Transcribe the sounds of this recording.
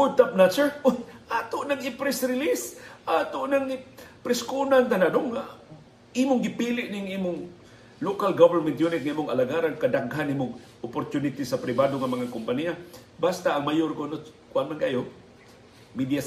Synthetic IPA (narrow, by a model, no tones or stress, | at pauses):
kʊt̪ap̚nat͡ʃɛɹʊʔat̪ʊʔnaŋɪpɾɛsɾɪlisʔat̪ʊʔnaŋpɾɪskunant̪anad̪oŋːa | imʊŋɡɪpilɪʔnɪŋimʊŋ | lokalɡavɛɾmɛnt̪junɪt̪̚ŋaʔiːmʊŋa̰laɡaɾankad̪aɡɦanʔimʊŋ | ʊpoɾt̪unɪt̪isapɾɪbad̪oŋamaŋakʊmpania | bast̪aʔaŋmajoɾkono | kʊʔanmanɡajo | mid̪jas